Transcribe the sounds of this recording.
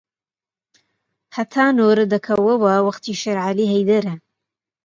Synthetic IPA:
hɐt̪ʰaːnoːɾɨd̪ɐkʰɐwɐwɐwɐqt̪ʰiːʃɐɾʕaliːɦɐjd̪ɐɾɐ

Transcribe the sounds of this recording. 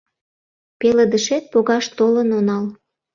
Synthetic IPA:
peləd̪əʃet̪̚poɣɑʃt̪olənonɑl

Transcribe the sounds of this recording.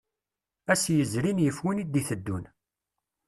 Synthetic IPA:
æsjəzɾinjəfwinid̪iθəd̪ːun

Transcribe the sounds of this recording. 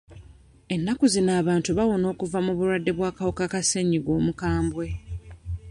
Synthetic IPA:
e̞nːakuzinaːβaːntuβawo̞no̞ːkuvamuβulwadːe̞βwaːkawokakaseɲːiɡwo̞ːmukaːmbwe̞

